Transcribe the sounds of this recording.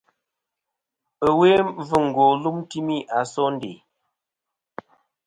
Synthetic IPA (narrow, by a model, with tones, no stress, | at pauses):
ə˨we˦vɨ˦ŋ̩˨ɡɔ˨lu˦m˦ti˦mi˦˨ʔa˨sɔ˦n̩˦dḛ˨